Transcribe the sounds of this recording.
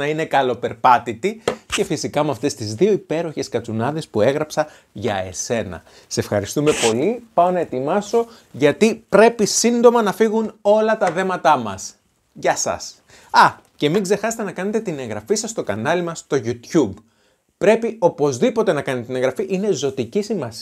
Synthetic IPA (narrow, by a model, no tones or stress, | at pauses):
ɐine̞kɐlo̞pe̞ɾpɐt̪it̪ice̞fisikɐmɐft̪e̞st̪izðio̞ipe̞ɾo̞çe̞skɐt͡sunɐðe̞spue̞ɣɾɐpsɐ | ʝɐe̞se̞nɐ̰ | see̞fxɐɾist̪ume̞po̞lipɐonɐe̞t̪imɐso̞ | ʝɐt̪ipɾe̞pisind̪o̞mɐnɐfiɣuno̞lɐt̪ɐθe̞mɐt̪ɐmɐ̰s | ʝɐsɐ̰s | ɐ | ce̞miɡze̞xɐse̥t̪e̞nɐkɐnet̪e̞t̪inẽ̞ŋɣɾɐfisɐst̪o̞kɐnɐlimɐst̪o̞ʝut̪çub | pɾe̞pio̞po̞zðipo̞t̪e̞nɐkɐnet̪et̪ine̞ŋɣɾɐfiʔine̞zo̞t̪icisimɐs